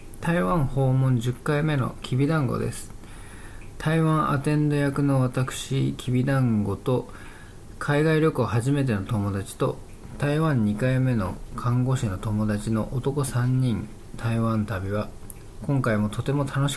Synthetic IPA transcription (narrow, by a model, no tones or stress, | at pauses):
t̪aiβãɰ̃ho̞ːmõ̞ɲ̟d͡ʑɨkːaime̞no̞̰kʲʰibʲid̪ãŋɡo̰d̪e̞̰sɨ̥ | t̪ʰaiβãɰ̃ʔa̰t̪ẽ̞nd̪o̞jakɯ̟no̞βat̪akɯ̟̥ɕikʲʰibʲid̪ãŋɡo̞t̪o̞ | kʰaiɡaiɾʲjo̞kɯɦaʑime̞t̪̬e̞no̞t̪o̞mo̞d̪at͡ɕi̥t̪o̞ | t̪aiβãɲ̟ːikaime̞no̞̰kʰãŋɡo̞ɕino̞t̪o̞mo̞d̪at͡ɕino̞ʔot̪o̞ko̞sãɲ̟ːĩn | t̪ʰaiβãnt̪abʲiβa | kõ̞ŋkaimo̞t̪ʰo̞t̪e̞mo̞t̪ʰano̞ɕi̥